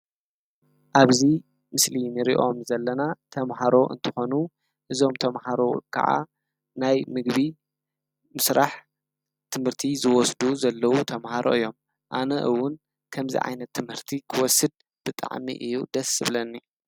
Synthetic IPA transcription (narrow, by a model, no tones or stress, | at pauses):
ʔaβzi | mɨslinɨɾḭʔo̞mzɐlːɐnat̪ʰɐmɦaɾo̞ʔɨ̰nt̪ʰɨ̥xo̞nu | ʔɨzo̞mt̪ʰɐmhaɾo̞kʰɐ̰ʕa̰ | najmɨɡβi | mɨsɾʔaħ | t̪ʰɨmhɨɾt̪ʰizɨwɔsd̪uzɐlːɐwut̪ʰɐmhaɾʔo̞̰ʔɨjːo̞m | ʔanɐʔɨwːʊn | kʰɐmzḭʕa̰jnɐt̪ʰːɨmhɨɾt̪ʰikʰɨwɔsɨd̪̚ | b̥ɨt̪ʼa̰ʕmḭʔɨjːud̪ɐsɨβlɐnːi